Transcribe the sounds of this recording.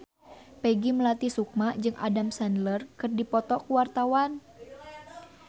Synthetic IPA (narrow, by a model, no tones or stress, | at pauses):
pɛɡiməlat̪isuk̚maʔd͡ʒɨŋʔa̰damsandlərkɨrdipɔt̪ɔkuwart̪awan